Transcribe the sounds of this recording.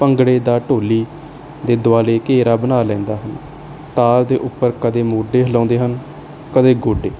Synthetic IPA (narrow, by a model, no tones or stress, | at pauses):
pəŋɡɽeːd̪aːʈoːliː | d̪eːd̪ʊaːleːkeːɾaːbənaːlɛ̃ːnd̪aːɦən | t̪aːld̪eːʔʊpːəɾkəd̪eːmoːɖeːɦəlɔ̃ːnd̪eːɦən | kəd̪eːɡoːɖeː